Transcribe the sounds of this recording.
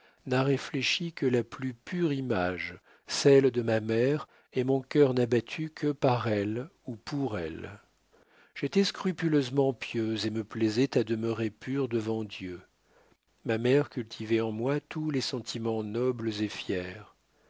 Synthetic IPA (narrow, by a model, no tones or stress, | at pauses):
naʁefleʃikəlaplypyʁimaʒ | sɛld̪əmamɛʁ | emɔ̃kʲœʁnabat̪ʰykʰəpaʁɛlupʰuʁɛ̰l | ʒ̥et̪ɛskχypyløzmɑ̃pjøzeməplɛzɛt̪ad̪əmøʁepʰyʁd̪əvɑ̃d̪jø | mamɛʁkʲylt̪ʰivɛɑ̃mwat̪ʰulɛsɑ̃t̪ʰimɑ̃nɔblzefjɛːʁ